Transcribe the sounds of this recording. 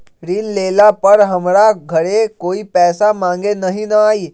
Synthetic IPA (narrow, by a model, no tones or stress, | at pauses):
ɾiːnlelapəɾɦəmɾaɡʱəɽekoːiːpɛːsamãŋɡenəɦinəaiː